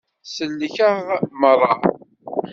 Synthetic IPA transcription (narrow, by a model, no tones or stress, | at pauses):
sənːəçəʁmərˤːɑ